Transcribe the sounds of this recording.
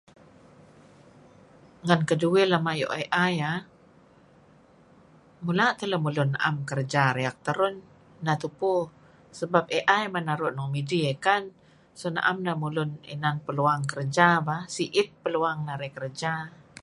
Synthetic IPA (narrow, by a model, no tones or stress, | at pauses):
ŋankəduwelamajo̰ʔeʔaja | mulaʔt̪ələmulʊnːaʔamkərd͡ʒaɾeak̚t̪əɾʊnː | at̪upu | səbap̚eʔajmanaɾʊʔnɔŋmidiekan | sona̰ʔamnamulʊnḭnanpəluaŋkərd͡ʒabasiʔɪt̪̚pəluaŋnaɾekərd͡ʒa